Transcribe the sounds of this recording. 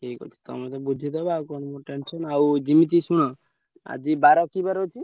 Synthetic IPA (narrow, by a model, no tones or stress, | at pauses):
kekɔ̰t͡ʃʰi̥t̪ɔ̰mɛt̪ɔbud͡ʒʱit̪ɔbakɔnmuʈensɔnaud͡ʒimit̪̬isuɽ̃ɔ | a̰d͡ʒibaɾɔkibaɾɔt͡ʃʰi